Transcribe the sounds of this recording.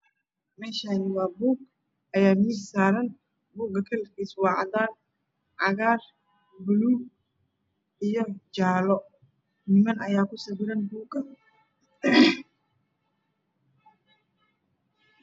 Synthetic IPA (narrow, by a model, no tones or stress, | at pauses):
mɛːʃaːnɪwɑːbuːɡ | ʔɐjaːmɪssaːɾɐn | buːɡɐkʰɐlkiswɑːʕɑdaːn | ʕɑɣaːr | bʊluː | ʔijɔd͡ʒaːlɔ | nɪmɐnɐjaːkʰʊsɐbɪɾɐnbuːɡɐ